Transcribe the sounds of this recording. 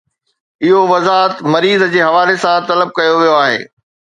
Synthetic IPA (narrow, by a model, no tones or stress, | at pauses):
ɪɦoʋɐzaːɦət̪mɐɾiːzd͡ʑeːɦɐʋaːlesãt̪ɐləb̚kɐjoʋijoaːɦḛː